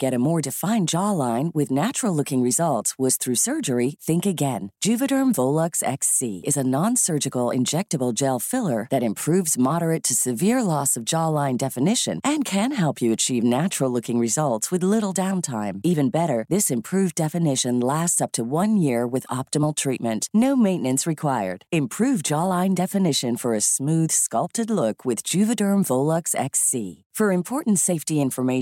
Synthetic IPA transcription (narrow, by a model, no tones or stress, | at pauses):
ɡ̥ɛɾɨmɔɹdɨfãɪ̃nd͡ʒɑlãɪ̃nwɪðnæt͡ʃɹl̩ˠlʊkɪ̃ŋɹɨzʌlˠtswʌz̥θɹʉsɜ˞d͡ʒə˞iθɪ̃ŋkɨɡɛ̃nd̥ʒ̥ʉvɨɾə˞ɱvoʊlˠəksɛ̰ksiɨzɨnɑ̃nsɜ˞d͡ʒɨkl̩ˠɪ̰̃nd͡ʒɛk̚tɨbl̩ˠd͡ʒelˠfɪlˠə˞ðɨɾɨ̃mpʰɹ̥ʉvzmɑɾə˞ɨtʰɨsɨvɪɹlɔsʌvd͡ʒɑlãɪ̃ndɛfɨnɪʃɨ̰̃nʔɨ̃nkʰɨ̃nɦɛlˠpʰjɨɨt͡ʃʰivnæt͡ʃɹl̩ˠlʊkɪ̃ŋɹɨzʌlˠtswɨðlɪɾl̩ˠdãʊ̃ntʰãɪ̃mivɨ̃nbɛɾə˞ðɪsɨ̃mpʰɹ̥ʉvdɛfɨnɪʃɨ̃nlæstsʌp̚tʰɨwʌ̃njɪɹwɨðɑp̚tɨml̩ˠtʰɹ̥it̚mɨ̃nʔnoʊmẽɪ̃nɨ̃nsɹɨkʰw̥aɪə̰˞d̥ɨ̃mpʰɹ̥ʉvd͡ʒɑlãɪ̃ndɛfɨnɪʃɨ̃nfə˞ɨsmʉð̥skʌlˠp̚tɨdˡlʊkʰwɨðd͡ʒʉvɨdɜ̃˞ɱvoʊlˠʌksɛ̰ksḭ | fə˞ɨ̃mpʰɔɹʔn̩tseɪftiɪ̃ɱfə˞meɪ